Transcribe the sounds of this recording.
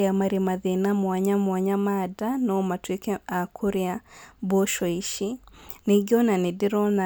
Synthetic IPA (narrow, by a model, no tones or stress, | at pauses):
amaɾimaðinamwaɲamwaɲamadanomatwikeakʰuɾjaboʃɔiʃineɡɔnanɪdiɾɔna